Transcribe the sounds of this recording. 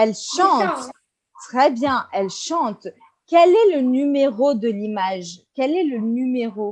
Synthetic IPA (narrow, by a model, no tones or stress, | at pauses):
ɛlʃɑ̃t̪ | t̪χɛbjɛ̃ʔɛlʃɑ̃t̪ | kʲɛlɛlənymeʁod̪əlimaʒkʲɛlɛlənymeʁo